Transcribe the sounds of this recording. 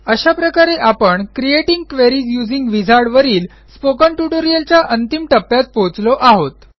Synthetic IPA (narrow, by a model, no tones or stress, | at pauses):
əɕapɾəkaɾeʔapəɳkɾieʈiŋɡ̚kʋeɾiːd͡zjud͡ziŋɡʋid͡zʱaɾɽʋəɾiːl | spokəɳʈuʈoɾijəlt͡ɕjaʔənt̪imʈəpːjat̪̚pot͡slɔʔaɦot̪